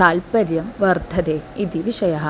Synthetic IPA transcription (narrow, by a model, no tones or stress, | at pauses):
aːlpɐɾjɐmʋɐrd̪ʱɐd̪eːid̪iʋiʂɐjɐɦɐ